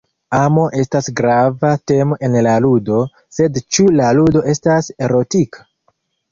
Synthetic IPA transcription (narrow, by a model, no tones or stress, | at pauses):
amo̞ʔe̞stasɡɾavate̞mo̞ʔe̞nlaludo̞ | se̞dt͡ʃulaludo̞ʔe̞stase̞ɾo̞tikʰḁ